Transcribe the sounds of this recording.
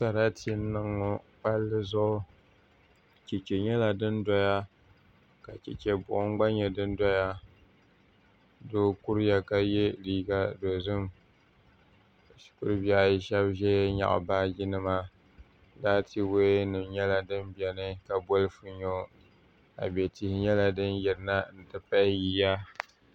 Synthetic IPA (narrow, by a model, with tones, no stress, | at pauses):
sa˨ɾa˦tʰi˦nɨ˦ŋo˨pa˦lːɨ˦zʊ˦ʔʊ˦ | t͡ʃe˨t͡ʃe˨ɲɛ˦la˨dɨ˦ndɔ˦ja˦ | ka˨t͡ʃɛ̰˨t͡ʃɛ˨bʊ˨ʔʊ˦ŋɡ͡ba˦ɲɛ˨dɨ˦n˦dɔ˦ja˦ | doː˦kʊ˦ɾja˨ka˦je˦liː˦ɡa˦do˨zɨ˦m˨ | ʃi̥˨kʊ˦ɾɨ˦bja˦˨jɪ˦ʃɛ˦bʒɛ˦ɲa̰˨ʔbaː˦ɡɪ˦nɨ˦ma˦ | daː˦tʰi˦we˦nɨ˨mɲɛ˦la˦dɨ˦mbɛ˨nɨ˦ka˨bo˦lfu˦ɲo˦ | a̰˨bɛ˨ti˨hɲɛ˦la˦dɨ˦njɛ˨ɾna˦n̩˨tɨ˨pa˦ɪ˦ji˨ja˦